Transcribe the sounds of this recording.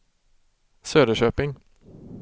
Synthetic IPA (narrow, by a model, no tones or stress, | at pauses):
søːd̪əʃøːpɪŋ